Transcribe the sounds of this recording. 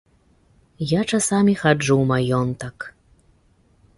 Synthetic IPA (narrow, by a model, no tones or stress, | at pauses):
jat͡ʂasamʲixad͡ʐuwmajɔnt̪ɐk